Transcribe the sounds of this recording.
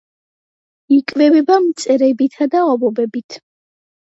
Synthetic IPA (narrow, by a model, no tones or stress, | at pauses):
ikʼvɛvɛbamt̪sʼɛɾɛbit̪ʰad̪aɔbɔbɛbit̪ʰ